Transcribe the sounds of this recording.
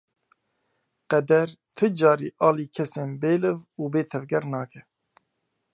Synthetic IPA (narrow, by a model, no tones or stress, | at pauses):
qɛd̪ɛɾt̪ʰɨd͡ʒɑːɾiːʔɑːliːkʰɛseːnbeːlɨvuːbeːt̪ʰɛvɡɛɾnɑːkɛ